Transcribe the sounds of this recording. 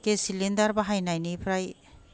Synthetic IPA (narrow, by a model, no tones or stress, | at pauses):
kesilind̪aɾbaɦajnajnipʰɾaj